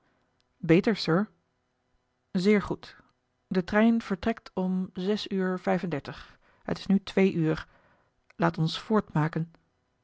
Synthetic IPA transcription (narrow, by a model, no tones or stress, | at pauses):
bejtəɹsəɹ | zɪːɹχut | dətrɛjnv̥əɹtrɛktɔmzɛsyːɹv̥ɛjfəndɛɹtəχ | ɦə̰tɪ̥snytʋejʔyːɹ | laːtɔnsfʊːɹtmaːkən